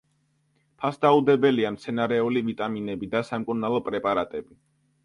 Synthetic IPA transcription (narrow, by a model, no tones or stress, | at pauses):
pʰasd̪aud̪ɛbɛliamt̪sʰɛnaɾɛulivit̪ʼaminɛbid̪asamkʼuɾnalˠɔpʼɾɛpʼaɾat̪ʼɛbi